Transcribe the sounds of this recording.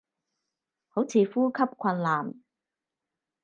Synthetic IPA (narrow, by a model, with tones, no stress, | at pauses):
ho˨˥wt͡sʰiː˨fuː˥kʰɐ˥p̚kʰɐ˧nlaː˨˩m